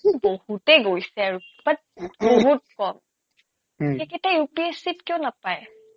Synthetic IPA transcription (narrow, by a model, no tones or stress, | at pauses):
bohutɛɡojsɛaɹub̥at̚boɦut̚kɔm | ekɛtajupiesitkjɔnapaj